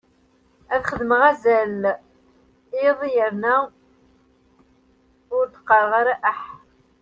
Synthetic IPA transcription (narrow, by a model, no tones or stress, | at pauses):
æθχəðməʁæzæl | ɪðˤijəɾnæ | ʊɾt̪ə̥qːɑʁaɾæʔəħ